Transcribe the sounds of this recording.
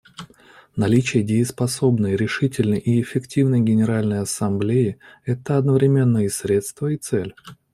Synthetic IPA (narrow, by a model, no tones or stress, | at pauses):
nɐlʲit͡ɕɪjədʲɪɪspɐso̞bnəjɾʲɪʂɨtʲɪlʲnəjʔiɪfʲɪktʲivnəjɡʲɪnʲɪɾalʲnəjɐsɐmblʲejɪɛt̪əɐd̪nəvɾʲɪmʲe̞nːəjəsɾʲe̞t̪st̪vəit̪sɛlʲ